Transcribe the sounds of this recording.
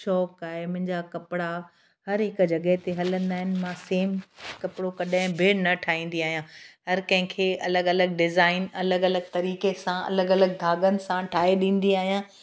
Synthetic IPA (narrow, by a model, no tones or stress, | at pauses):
ʃɔːkaːɦemʊ̃ɦɪ̃ɲd͡ʑakɐpɪɽa | hɐɾɦɪkd͡ʑɐɠəɦt̪eɦɐlə̃nd̪aːɦɪnɪ̆mãseːmkɐpɪɽokɐɗɪ̃bʱɪnɐʈʰaːĩːn̆d̪iaːɦijãːɦɐɾkɐ̃ɦɪ̃kʰeːʔɐləɡɐləɡɖɪzaːɪnɐləɡɐləɡ̚t̪ɐɾiːkesãɐ̰ləɡɐləɡ̚d̪ʱaːɡənɪ̆sãʈʰaːeɗĩːn̆d̪iaːɦijãː